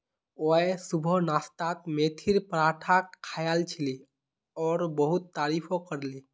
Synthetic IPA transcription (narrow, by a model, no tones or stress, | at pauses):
oesubʱɔnast̪at̪̚met̪ʰiɾpɾaʈʰakkʰːajalt͡ʃʰili | ɔɾbəɦut̪ːaɾipʰokəɾli